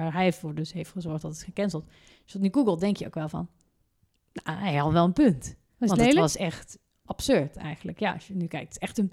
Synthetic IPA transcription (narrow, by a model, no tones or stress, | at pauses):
aːɹɦɛjvʊːɹdɵsɦejftχəzɔɹχd̥ɑtətχəkɛnzəlˠt | soniɡuɡəlˠdɛŋkjəo̰wkʋɛlˠvɑ̰n | naɛjɑʋɛlˠənpønt | ʋɑnlelʋɑsɛχt | ʔɑpsøɹtʰɛ̰jɣənləkja̰ːɑ̰sjənykɛjk̚tətɛxtən